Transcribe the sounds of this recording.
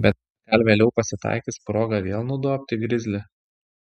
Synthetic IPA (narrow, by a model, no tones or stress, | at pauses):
bʲɛt̪̚ | ɡ̥ɐlʲʋʲeːlʲɛʊpɐsʲɪt̪ɑ̰ɪkʲɪspɾoːɡɐʋʲeːlˠnʊd̪uɔpʲt̪ʲɪɡɾʲɪzʲlʲɪ